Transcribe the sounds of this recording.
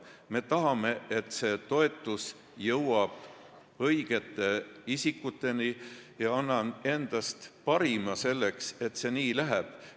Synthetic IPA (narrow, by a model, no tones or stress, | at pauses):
me̞t̪ɑɦɑme̞et̪ːˑse̞ːt̪o̞e̞t̪ːˑus | jɤwɑb̥ | ɤjɡ̥e̞t̪ːˑe̞isikːut̪ːˑe̞nijɑɑnːɑne̞nd̪̥ɑst̪pɑɾimɑse̞lːekse̞t̪ːse̞niːlæɦeb̥